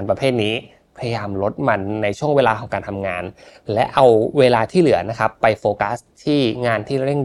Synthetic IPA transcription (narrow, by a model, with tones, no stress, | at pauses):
npɾa˧pʰeː˥˩t̪̚niː˦˥ | pʰa˧ja˧jaː˧mlo˦˥t̪̚ma˧nːa˧jt͡ɕʰu˥˩əŋweː˧laː˧kʰɔː˩˦ŋkaː˧nt̪ʰa˧mŋaː˧nlɛ˦˥ʔa˧wweː˧laː˧t̪ʰiː˥˩lɯ˨˩˦ɐna˦˥kʰa˦˥pːa˧jfoː˧ka˦˥st̪ʰiː˥˩ŋaː˧nt̪ʰiː˥˩ɾe˥˩ŋ